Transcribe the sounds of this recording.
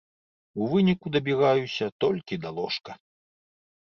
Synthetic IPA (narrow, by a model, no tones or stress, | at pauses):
uvɨnʲikud̪ɐbʲiɣajusʲɐt̪ɔlʲkʲid̪alˠɔʂkɐ